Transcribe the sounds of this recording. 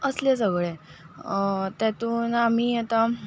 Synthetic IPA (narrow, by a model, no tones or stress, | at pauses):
əslesəɡɭe | t̪jat̪uːnam̤iːat̪a